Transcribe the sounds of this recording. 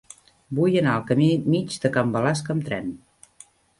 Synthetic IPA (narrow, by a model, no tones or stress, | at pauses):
bujənaəlˠkəmimid͡ʒd̪əkambəlaskəmt̪ɾɛn